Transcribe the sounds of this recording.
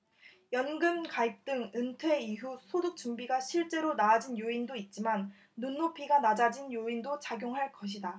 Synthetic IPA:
jʌnɡɯmkaip̚t͈ɯŋɯntʰwe̞iɦusʰoduk̚t͡ɕ͈umbiɡaɕʰiɭt͡ɕ͈e̞ɾonaːd͡ʑinjoindoit̚t͡ɕ͈imanː | unːopʰiɡanad͡ʑad͡ʑinjoindot͡ɕaɡjoŋɦaɭk͈ʌɕ̬ʰida

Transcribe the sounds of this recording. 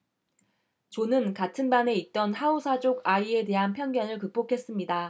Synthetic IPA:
t͡ɕonɯnkatʰɯnbane̞it̚t͈ʌnhaosʰad͡ʑoɡaie̞de̞ɦanpʰjʌŋɡjʌnɯɭkɯk̚p͈okʰe̞s͈ɯmɲida

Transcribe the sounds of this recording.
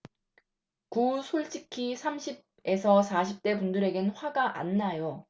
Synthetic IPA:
kusʰoɭt͡ɕ͈ʰikʰisʰamɕʰib̚e̞sʰʌsʰaɕʰip̚t͈e̞pundɯɾe̞ɡenɸwaɡaʔa̰nːajo

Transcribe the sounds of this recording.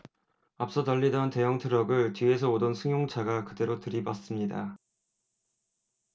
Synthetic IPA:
ap̚s͈ʌtʌʎːidʌnte̞jʌŋtʰɯɾʌɡɯɭt͡ɕɥie̞sʰʌodʌnsʰɯŋjoŋt͡ɕʰaɡakɯde̞ɾotɯɾibas͈ɯmɲida

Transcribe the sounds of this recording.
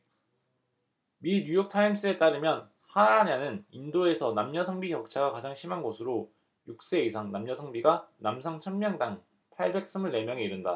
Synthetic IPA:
miɲujok̚tʰaims͈ɯe̞t͈aɾɯmjʌn | haaɲanɯnindoe̞sʰʌnamɲʌsʰaŋbikjʌk̚t͡ɕʰaɡakad͡ʑaŋɕʰimanɡosʰɯɾo | juk̚s͈e̞isʰaŋnamɲʌsʰaŋbiɡanamsʰaŋt͡ɕʰʌnmjʌŋdaŋ | pʰaɭbe̞k̚s͈ɯmɯɭne̞mjʌŋe̞iɾɯnda

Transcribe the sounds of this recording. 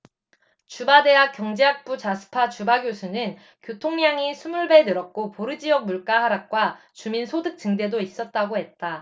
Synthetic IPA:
t͡ɕubade̞ɦak̚k͈jʌŋd͡ʑeɦak̚p͈ut͡ɕasʰɯ̥pʰat͡ɕubaɡjosʰunɯn | kjotʰoŋɲaŋisʰumuɭbe̞nɯɾʌt̚k͈opoɾɯd͡ʑiʌk̚muɭk͈ahaɾak̚k͈wa | t͡ɕuminsʰodɯk̚t͡ɕ͈ɯŋde̞dois͈ʌt̚t͈aɡohe̞t̚t͈a

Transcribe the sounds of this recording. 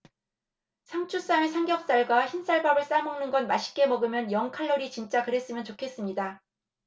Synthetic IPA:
sʰamt͡ɕʰus͈amesʰaŋɡjʌk̚s͈aɭɡwaçinsʰaɭbabɯɭs͈amʌŋnɯnɡʌnmaɕʰi̥k͈e̞mʌɡɯmjʌnjʌŋkʰaɭːʌɾit͡ɕint͡ɕ͈akɯɾe̞s͈ɯmjʌnt͡ɕokʰe̞s͈ɯmɲida

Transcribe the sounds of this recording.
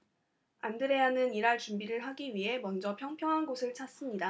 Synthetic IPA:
andɯɾe̞anɯniɾaɭt͡ɕumbiɾɯɭɦaɡiɥiɦe̞mʌnd͡ʑʌpʰjʌŋpʰjʌŋɦanɡosʰɯɭt͡ɕʰas͈ɯmɲida

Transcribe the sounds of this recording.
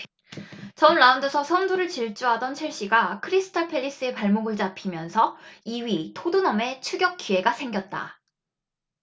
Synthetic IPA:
t͡ɕʌmɭaundosʰʌsʰʌnduɾɯɭt͡ɕiɭt͡ɕ͈uɦadʌnt͡ɕʰiɭɕ͈iɡakʰɯɾisʰɯ̥tʰʌpʰe̞ʎːis͈ɯe̞paɭmoɡɯɭt͡ɕapʰimjʌnsʰʌiwɥitʰodunʌme̞t͡ɕʰuɡjʌk̚k͈ie̞ɡasʰe̞ŋɡʲjʌt̚t͈a̰

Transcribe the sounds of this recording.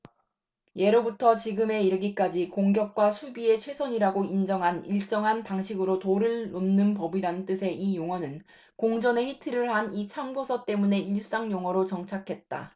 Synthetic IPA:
je̞ɾobutʰʌt͡ɕiɡɯme̞iɾɯɡik͈ad͡ʑikoŋɡjʌk̚k͈wasʰubie̞t͡ɕʰwe̞sʰʌɲiɾaɡoind͡ʑʌŋɦaniɭt͡ɕ͈ʌŋɦanpaŋɕʰiɡɯɾotoɾɯɭnonːɯnpʌbiɾanɯnt͈ɯsʰe̞ʔijoŋwʌnɯn | koŋd͡ʑʌne̞ɸitʰɯɾɯɭhanit͡ɕʰaŋbosʰʌt͈e̞mune̞iɭs͈aŋjoŋwʌɾot͡ɕʌŋt͡ɕʰakʰe̞t̚t͈a̰

